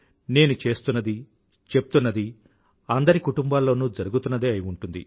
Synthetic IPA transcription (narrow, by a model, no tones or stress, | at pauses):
ne̞ːnut͡ʃe̞ːst̪unːɐd̪i | t͡ʃe̞p̚t̪unːɐd̪i | ɐnd̪ɐɾikuʈumbaːlːo̞ːnuːd͡ʒɐɾuɡut̪unːɐd̪eːɐjiuɳʈund̪ḭ